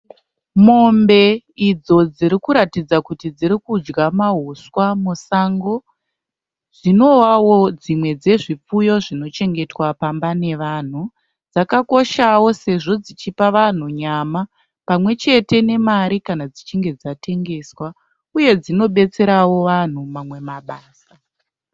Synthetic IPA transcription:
mo̞mbe̞id͡zo̞d͡ziɾikuɾatid͡zakutid͡ziɾikud͡ʒɡamaɦuswamusaŋɡo̞ | ʐino̞wawo̞d͡zimwe̞d͡ze̞ʐip͡fujo̞ʐino̞t͡ʃe̞ŋɡe̞twapambane̞ʋaːn̤u | d͡zakako̞ʃawo̞se̞ʐo̞d͡zit͡ʃipaʋan̤uɲama | pamwe̞t͡ʃe̞te̞ne̞maɾikanad͡zit͡ʃiŋɡe̞d͡zate̞ŋɡe̞swa | uje̞d͡zino̞ɓe̞t͡se̞ɾawo̞ʋan̤umamwe̞maɓaːsa

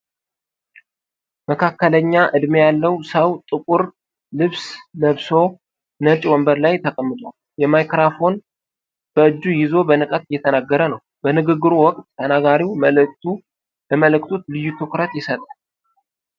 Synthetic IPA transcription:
məkʰakːələɲːaʔɨd̪mejalːəwsəwt̪ʼɨkʼuɾ | lɨβsnəβso̞ | nət͡ʃʼwɔmbəɾlajt̪ʰəkʼəmːɨt̪ʼal | jɛmajkɾafo̞n | b̥əɨd͡ʒːujɪzo̞bənɨkʼət̪ɪjːɛt̪ʰənaɡːəɾənəw | b̥ənɨɡɨɡːɨɾuwɔkʼt̪ʼt̪ʰːənaɡaɾiwməlkt̪ʰu | bəməlɨkt̪ʰot̪lɨjːut̪ʰɨkɾət̪jɪsət̪ʼal

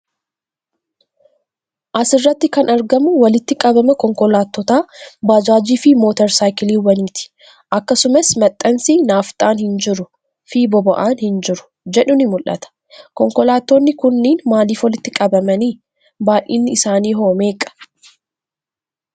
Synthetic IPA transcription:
ʔɐsɪrːɐt̪ːɪkɐnɐɾɡɐmʊwɐlɪt̪ːɪkʼɐbɐmɐkɔŋkɔlaːt̪ːɔt̪aːbaːd͡ʒaːd͡ʒiːfimo̞ːt̪ɐɾsaːjkɪliːwɐniːt̪ɪ̥ | ʔɐkːɐsʊmɐsmɐt̪ʼːɐnsiːnaːft̪ʼaːnhɪnd͡ʒɪɾʊ | fiːbɔbɐʔaːnhɪnd͡ʒɪɾʊ̥ | d͡ʒɛᶑʊnɪmʊlʔɐ̰t̪ɐ̥ | kɔŋkɔlaːt̪ːonːɪkʊnːiːnmaːliːfwɐlɪt̪ːɪkʼɐbɐmɐniː | baːʔḭːnːɪːsaːniːɦo̞ːme̞ːkʼɐ̥

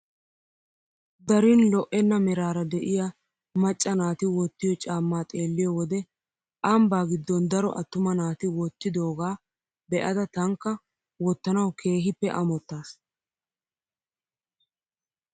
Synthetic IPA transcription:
d̪ɐɾɪnlɔʔɛnːɐmɛɾaːɾɐd̪ɛʔɪjɐ | mɐt͡ʃʼːɐnaːt̪ɪwɔt̪ːɪjɔt͡ʃʼaːmːaːt̪ʼe̞ːlːɪjɔwɔd̪ɛ | ʔɐmbaːɡɪd̪ːɔnd̪ɐɾɔʔɐt̪ːʊmɐnaːt̪ɪwɔt̪ːɪd̪o̞ːɡaː | bɛʔɐd̪ɐt̪ɐŋkːɐ | wɔt̪ːɐnɐwkʰe̞ːɦɪpːɛ̰ʔɐmɔt̪ːaːs

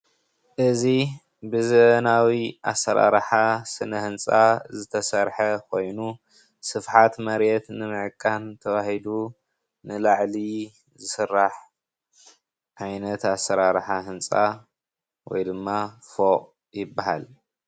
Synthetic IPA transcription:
ʔɨzi | bɨzɐnawiʔa̰sɐɾa̰ɾħasɨnɐhɨnsʼazɨt̪ʰɐsɐɾħɐkʰo̞jnu | sɨfħat̪mɐɾɛt̪nɨmɨʕkʼːant̪ʰɐβahilu | nɨlaʕli | zɨsɨrːaħ | ʕajnɐt̪asːɐɾaɾħaɦɨnsʼa | wɔ̰jd̪ɨmːafoʔʼ | jɪbːaɦa̰l

